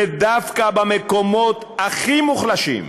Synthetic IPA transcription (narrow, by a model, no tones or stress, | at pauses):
ed̪afkabameko̞mo̞t̪aχimuχlaʃḭm